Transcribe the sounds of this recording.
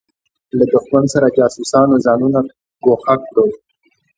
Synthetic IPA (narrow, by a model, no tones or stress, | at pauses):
lad̪ʊxmansaɾad͡ʒɑsusɑnozɑnuna | ɡoxakɽow